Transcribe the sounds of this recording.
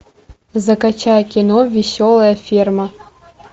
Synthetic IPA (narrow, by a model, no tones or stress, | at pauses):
zɐkat͡ɕajkʲinovʲisʲolˠɐjɐfʲirmɐ